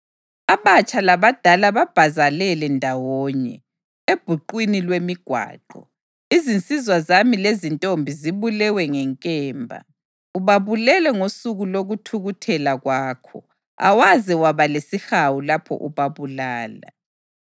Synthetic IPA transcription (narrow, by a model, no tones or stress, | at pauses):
aβat͡ʃʼalaβad̥ʱalaβab̥ʱazalɛlɛndʱawɔːɲɛ | eb̥ʱuǃwinilwemiɡ̥ʱwa̰ːǃɔ | izint͡sʼizwazamilezintʼombʱiziβulɛwɛŋɛŋkʼɛːmbʱa̰ | uβaβulɛlɛŋosuɣuloɣutʰuɣutʰɛlaɣwaːkʰɔ̰ | a̰waziwaβalesixawulapʰɔ̰ʔuβaβulaːla̰